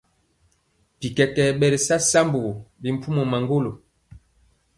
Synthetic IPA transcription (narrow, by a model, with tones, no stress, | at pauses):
pi˨kɛ˨kɛ˨ɓɛ˨ɾe˨sa˦sa˦mbo˨ɣo˨bi˨m̩˨pu˦mo˨ma˨ŋɡo˦lo˨